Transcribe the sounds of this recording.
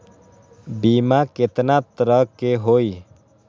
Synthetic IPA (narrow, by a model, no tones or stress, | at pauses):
biːmaket̪nat̪ɾəkeɦoːiː